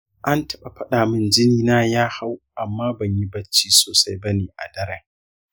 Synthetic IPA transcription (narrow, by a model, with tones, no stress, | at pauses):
ʔa˦ntʰɐ˦ɓa˨ɸɐ˦ɗaː˨mɪ˦nd͡ʒɪ˦niː˦naː˦jaː˦ha˦wʔa˨mːaː˦bɐ˨ɲji˦bɐ˦t͡ʃːiː˦soː˨sa˦jbɐ˦neː˨ʔa̰˨dɐ˦ɾɐ˨